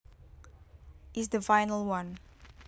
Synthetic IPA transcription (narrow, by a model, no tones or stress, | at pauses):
ʔɪs̬d̪əfajnəlwãn